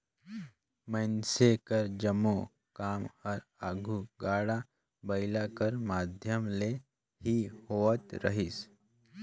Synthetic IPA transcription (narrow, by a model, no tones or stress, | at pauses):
mənsekəɾd͡ʒəmːo | kaːmɔɾaːɡʱuɡaːɽa | bəɪlakəɾmaːd̪ʱjəmle | hihoːət̪ɾəɦis